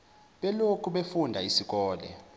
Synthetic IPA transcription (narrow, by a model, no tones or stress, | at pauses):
ɓɛlokʰuɓefundʱaisik̬ʼɔːlɛ̰